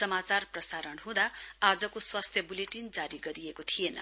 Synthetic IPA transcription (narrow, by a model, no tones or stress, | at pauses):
sʌmat͡sarprʌsaɾʌɳɦũd̪aad͡zʌkoswast̪ʰjʌbuleʈind͡zaɾiɡʌɾijekot̪ʰijenʌ̰